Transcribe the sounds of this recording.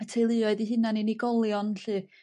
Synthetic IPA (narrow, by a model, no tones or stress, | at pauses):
atʰejlˠɨːɔɨðiɦɨnaniniɡɔlˠjɔnɬɨː